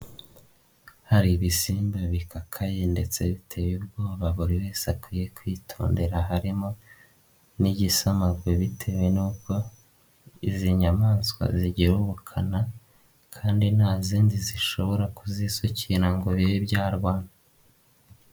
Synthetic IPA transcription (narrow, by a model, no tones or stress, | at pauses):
haɾiβisiːmbaβikakʰajende̞t͡se̞βitʰe̞jub̚ɡo̞ːβaβuɾiwe̞ːsakwiːje̞kwiːtʰoːnde̞ɾaɦaɾimo̞ | niɟisamaɡweβitʰe̞we̞nuːko̞ | iziɲamaːnskwa̰ziɟiɾuβukʰana | kʰaːndinhaːziːndiziʃo̞βo̞ɾakuzisociɾaŋɡo̞βiibjaːɾɡwaːna